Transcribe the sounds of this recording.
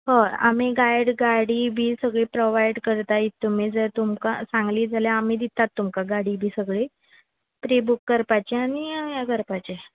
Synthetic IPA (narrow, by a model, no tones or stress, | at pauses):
həa̰m̤iɡajɽɡaɽiːbʱiːsəɡɭepɾoʋajɖkəɾt̪ait̪ːum̤id͡zəɾt̪umka̰sãŋɡliːd͡zʱaljaamiːd̪it̪ːat̪ːumkaɡaɽiːbʱiːsəɡɭe | pɾebukːəɾpat͡ɕeañijaɡəɾpat͡ɕe